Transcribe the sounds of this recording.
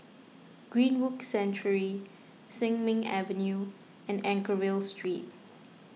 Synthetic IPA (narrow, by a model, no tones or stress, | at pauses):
ɡ̥ɹĩnwuksɛ̃nt͡ʃəɹi | sɪ̃ŋmɪ̃ŋɛ̰və̃nju | ɛ̃nɛ̃ŋkəɹilstʰɹit̚